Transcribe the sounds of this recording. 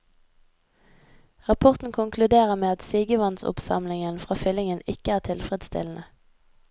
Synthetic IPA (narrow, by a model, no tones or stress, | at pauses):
ʁɑpʰɔʁt̪n̩kʰʊŋkʰlʉd̪eːʁəʁmeːɑt̪siːɡəʋɑnsʊ̰psɑ̰mlɪŋənfʁɑːfʏlɪŋənɪkəæːʁt̪ʰɪlfʁəd̪st̪ɪ̰ln̩ə